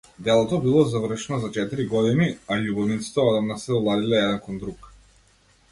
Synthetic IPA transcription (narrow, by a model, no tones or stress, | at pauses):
d̪ɛlˠɔt̪ɔbilˠɔzavr̩ʃnɔzat͡ʃɛt̪iɾiɡɔd̪iniaʎubɔvnit̪si̥t̪ɛɔd̪amnasɛɔlˠad̪ilɛɛd̪ɛnkɔnd̪ɾuk